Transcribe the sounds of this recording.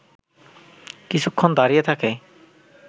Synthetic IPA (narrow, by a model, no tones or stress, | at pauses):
kit͡ɕʰukʰːɔnd̪aɾijet̪ʰake